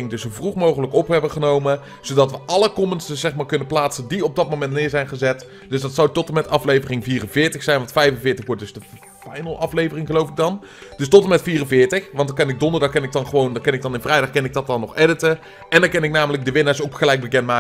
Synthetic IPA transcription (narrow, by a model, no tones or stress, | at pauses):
ɪŋdəsowvruχmowχələkɔpɦɛbəχənowmə | z̥owdɑtʋəʔɑləkɔmənsəz̥ɛχmaːɹkɵnəplaːtsəndiɔb̚dɑt̚mowmɛntnɪːɹzɛjnχəzɛt | d̥ɵsdɑtsawtɔtəmɛtɑflejvərɪŋviːrənvɪːɹtəxsɛjnʋɑntfɛjvənvɪːɹtəχʋɔɹt̚dɵzdə | fɑjnəlˠʔɑflejvərɪŋχəlowfɪɡ̚dɑn | d̥ɵstɔtəmɛtfiːrənvɪːɹtəxʋɑndɑkɛnɪk̚dɔndəɹdɑχkːɛnɪk̚dɑnχəʋowndkɛnɪk̚dɑnɪnvrɛjdɑχkɛnɪɡ̚dɑtɑnːɔχɛdətə | ɛndɑnkɛnɪk̚naːmələk̚dəʋɪnaːɹsowkχəlɛjk̚bəkɛntmaː